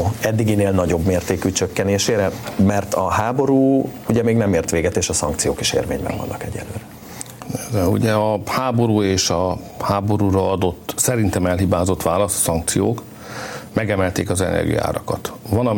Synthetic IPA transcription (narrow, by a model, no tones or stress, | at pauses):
ɛd̪ːiɡineːlnɒɟo̞bmeːrt̪eːkyt͡ʃøkːɛneːʃeːɾɛmɛrt̪ɒɦaːbo̞ɾuːuɟɛmeːɡnɛmeːrt̪ʋeːɡɛt̪eːʃɒsɒ̰ŋk̚t̪sijoːke̥ʃḛːrvḛːɲbɛ̰ɱvɒ̰nːʔɒ̰kɛɟɛ̰lːø̰ːɾɛ | rɛṵɟɛɒhaːbo̞ɾuːeːʃɒ | haːbo̞ɾuːɾɒɒd̪o̞t̪ːsɛɾint̪ɛmɛlɦibaːzot̪ʋaːlɒst̪sɒŋk̚t̪sijoːk | mɛɡɛmɛlt̪eːkɒzɛ̰nɛ̰rɡḭja̰ːɾɒkɒt̪ʋɒnɒ